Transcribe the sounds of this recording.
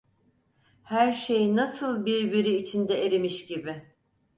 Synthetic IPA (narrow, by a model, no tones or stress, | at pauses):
hæɾʃe̞jnasɯlˠbiɾbiɾiːt͡ʃʰind̪ɛeɾemiʃɟibɪ